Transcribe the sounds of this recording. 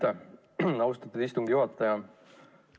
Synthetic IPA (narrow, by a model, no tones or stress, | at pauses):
e | ɑwust̪ɑt̪ːˑud̪ist̪uŋɡ̥ijuɑt̪ːˑɑjɑ